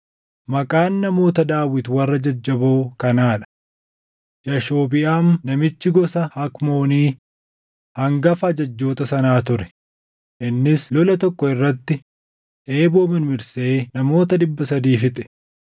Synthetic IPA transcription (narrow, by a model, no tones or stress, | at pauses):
mɐkʼaːnːɐmo̞ːt̪ɐd̪aːwɪt̪wɐrːɐd͡ʒɐd͡ʒːɐboːkɐnaːᶑɐ̥ | jɐʃo̞ːbɪʔaːmnɐmɪt͡ʃːɪɡɔsɐhɐkmo̞ːniː | hɐŋɡɐfɐɐd͡ʒɐd͡ʒːo̞ːt̪ɐsɐnaːt̪ʊɾɛ̥ | ʔɪnːɪslɔlɐt̪ɔkːɔɪrːɐt̪ːɪ | ʔe̞ːbo̞ːmɪnmɪɾseːnɐmo̞ːt̪ɐd̪ɪbːɐsɐd̪iːfɪt̪ʼɛ̥